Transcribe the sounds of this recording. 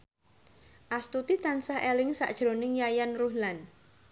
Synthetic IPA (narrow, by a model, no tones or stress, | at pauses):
ʔast̪ut̪it̪ansahelɪŋsa̰ʔd̥ʒ̥ɾonɪŋjajanruhlan